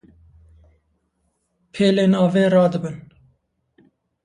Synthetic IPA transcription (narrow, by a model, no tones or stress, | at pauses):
pʰeːleːnɑːveːɾɑːd̪ɨbɨn